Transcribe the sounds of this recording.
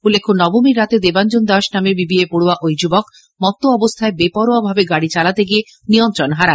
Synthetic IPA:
ulːekʰːonɔbomiɾːat̪ed̪eband͡ʑond̪aʃnamebibiepoɽoaʔojd͡ʑubok | mɔt̪ːoɔbost̪ʰaebepɔɾoabʱabeɡaɽit͡ɕalat̪eɡie | nijɔnt̪ɾonɦaɾa

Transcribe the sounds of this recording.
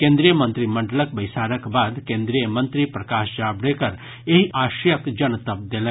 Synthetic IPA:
kẽnd̪ɾijəmə̃nt̪ɾimɐɳɖələkbɐjsaːɾəkbaːd̪kẽnd̪ɾijəmə̃nt̪ɾipɾɐkaːʃd͡ʒaːbɽekəɾ | eɦiʔaːʃjəkd͡ʒɐnt̪əp̚d̪elẽ

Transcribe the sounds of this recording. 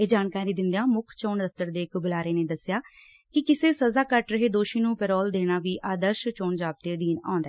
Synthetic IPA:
eːd͡ʒaːnkaːɾiːd̪ɪnd̪jãːmʊkʰt͡ʃoːɳd̪əft̪əɾd̪eːɪkbʊlaːɾeːneːd̪əsɪjaː | kɪkɪseːsəzaːkəʈɾəɦeːd̪oːʃiːnũːpɛɾɔːld̪eːɽ̃aːʋiːʔaːd̪əɾʃt͡ʃoːɳd͡ʒaːp̚t̪eːd̪iːnã̰ːnd̪aɛː

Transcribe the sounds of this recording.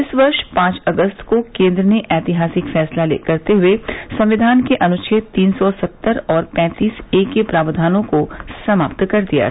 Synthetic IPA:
ɪsʋɐɾʃpãːt͡ʃɐɡəst̪kokẽːnd̪ɾəneʔɛːt̪ɪɦaːsɪkfɛːslalḛːkɐɾt̪eɦʊesɐ̃mʋɪd̪ʱaːnkeʔɐnʊt͡ʃʰet̪iːnsɔsɐt̪ːəɾɔːɾpɛ̃ːt̪iːseːkːepɾaːʋəd̪ʱaːnõkosɐma̰ːpt̪kɐɾd̪ija̰ː

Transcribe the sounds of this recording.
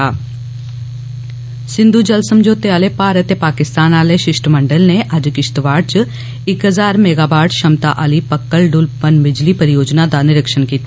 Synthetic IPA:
aː | sɪ̃nd̪ʱud͡ʒɐlsəmd͡ʒoːt̪eaːlepaːɾət̪epaːkɪst̪aːnaːleʃɪʃʈəmɐ̃ɳɖəlneʔad͡ʒkɪʃt̪əʋaːɖ̚t͡ʃə | ɪkɦəzaːɾmeːɡaːbaːɖʃɐmt̪a̰ʔalipɐkːəlɖʊlpənbɪd͡ʒlipəɾɪjoːd͡ʒnad̪anɪɾəkʃənkiːt̪a

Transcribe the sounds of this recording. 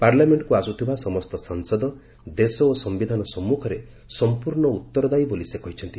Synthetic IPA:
paɾlameɳʈkuasut̪ʰibasɔmɔst̪ɔsaŋsɔd̪ɔ | d̪esɔosɔmbid̪ʱanɔsɔmːukʰɔɾe | sɔmpuɾɳɔut̪ːɔɾɔd̪ajbolisekɔɦit͡ʃʰɔnt̪i

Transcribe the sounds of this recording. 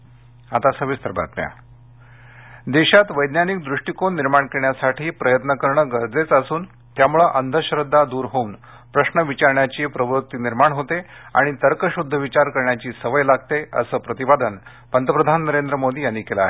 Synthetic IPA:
at̪asəʋist̪əɾba̰t̪mja̰ | d̪eɕat̪ʋəjd̪njanik̚d̪ɾuʂʈikonːiɾmaɳkeɾɳjasaʈʰiːpɾəjət̪nəkəɾɳəɡəɾd͡zet͡səsuːn | t̪jamuɭəʔənd̪ʱəɕɾəd̪ʱːad̪uːɾɦoun | pɾəɕɳəʋit͡ɕaɾɳjat͡ɕiːpɾəʋɾut̪ːiniɾmaɳɦot̪ea̰ɽ̃it̪əɾkəɕud̪ʱːəʋit͡ɕaɾkəɾɳjat͡ɕiːsəʋəjlaɡ̚t̪eə̰səːpɾət̪ibad̪ən | pənd̪ʱəpɾəd̪ʱanːəɾend̪ɾəmod̪iːjaniːkelaaːɦe

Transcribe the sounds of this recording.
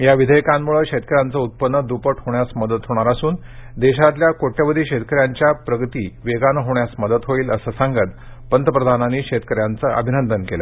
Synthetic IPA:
jaʋid̪ʱəjkamːuɭəːkɕet̪̚kəɾjant͡səut̪̚pənːəd̪upəʈʰɦoɳjasməd̪ət̪ɦoɽ̃aɾasuːnd̪eɕat̪ljakoʈjaʋəd̪ʱiːɕet̪̚kəɾjaɲt͡ɕjapɾəɡət̪iːʋeɡanəɦoɳjasməd̪ət̪ɦoiːləsəsaŋɡət̪ | pənt̪əpɾəd̪ʱananːiːɕet̪̚kəɾjant͡səʔə̰bʱinənd̪ənkela̰

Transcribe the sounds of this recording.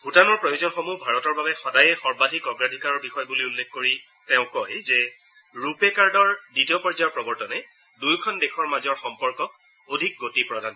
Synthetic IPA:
butanɔɹpɹojozɔnxomubʱaɹɔtɔɹbabɛxɔdajɛxɔɹbadʱikɔɡɹadʱikaɹɔɹbixɔjbuliulːexkoɹi | teʊ̃kɔjzɛ | ɹupekaɹdɔɹditiɔpɔɹzajɔɹpɹɔbɔɹtɔnɛ | dujkʰɔndexʰɔɹmazɔɹxɔmpɔɹkɔ | odʱik̚ɡotipɹɔdʱan

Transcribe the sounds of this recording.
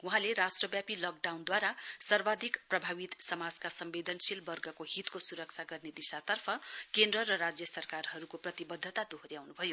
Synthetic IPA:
wuɦãleɾasʈrʌbjapilʌk̚ɖawnd̪waɾasʌrbad̪ʱikprʌbʱawit̪sʌmad͡zkasʌmbed̪ʱʌnsilbʌrɡʌkoɦit̪kosuɾʌk̚t͡sʰaɡʌrned̪isat̪ʌrpʰʌkend̪rʌɾʌɾad͡zjʌsʌrkarhʌɾukoprʌt̪ibʌd̪ʱːʌt̪ad̪oɦoɾjawnubʱʌjo

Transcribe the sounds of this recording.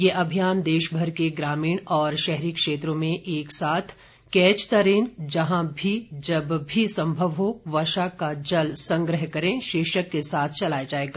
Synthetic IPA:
jeʔɐbʱijaːnd̪eːʃbʱɐɾkeɡɾaːmiːɽ̃ɔːɾʃɛɦɾikʃeːt̪ɾõmẽʔeːksaːt̪ʰ | kɛːt͡ʃt̪ɐɾeːnd͡ʒɐɦãbʱid͡ʒɐbbʱisɐ̃mbʱəʋɦoʋɐʃakad͡ʒɐlsɐ̃ŋɡɾəɦkɐɾẽʃɪːʃəkːesaːt̪ʰt͡ʃɐlaːjad͡ʒaːeːɡaː

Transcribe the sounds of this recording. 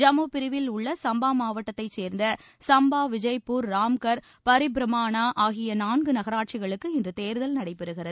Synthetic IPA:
d͡ʒɐmuːpɪɾɪʋɪlʊɭːɐsɐmbaːmaːʋɐʈːɐt̪ːɐɪt͡ʃːeːɾnd̪ɐ | sɐmbaːʋɪd͡ʒɐɪpːuːɾːaːmkɐɾ | pɐɾɪbɾɐmaːɳaːʔaːɣɪjɐnaːnɡɯnɐɣɐɾaːʈ̚t͡ʃɪɣɐɭɯkːɯɪndrɯt̪eːɾðɐlnɐɽɐɪpːɛɾɯɣɪrɐðɯ

